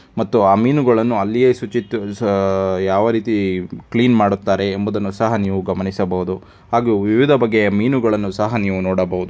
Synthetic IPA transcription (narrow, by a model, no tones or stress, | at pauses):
mɐt̪ːuaːmiːnuɡɐɭɐnːuɐlːijeːsut͡ʃit̪ːu | jaːʋɐɾiːt̪ikɭiːnmaːɽut̪ːaːɾe̞ːmbud̪ɐnːusɐɦɐniːʋuɡɐmɐnisɐbɐɦud̪u | ɦaːɡuʋiʋid̪ʱɐbɐɡːe̞miːnuɡɐɭɐnːusɐɦɐniːʋunoːɽɐbɐɦud̪u